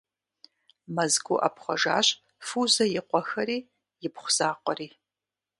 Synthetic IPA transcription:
mɐzɡʷṵʔɐ̰pχʷɔʒaːɕʼ | fuzɐjɪqʷɔxɐɾiː | jɪpχʷʊz̥aːqʷɔriː

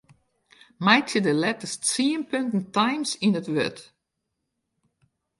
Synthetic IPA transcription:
mɛjtjədəlɛtəst͡siənpøntn̩tajmsinətʋø̰t

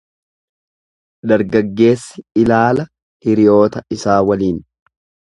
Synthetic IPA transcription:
d̪ɐɾɡɐɡːe̞ːsːɪɪlaːlɐ | hɪɾɪjo̞ːt̪ɐɪsaːwɐliːn

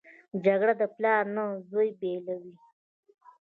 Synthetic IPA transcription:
d͡ʒaɡɽad̪əplɑɾnazojbelawi

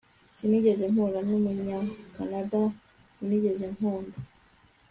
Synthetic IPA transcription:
siniɟe̞zeŋ̥uɾanumuɲɲakanada | siniɟe̞ze̞ŋ̥hoːnbo

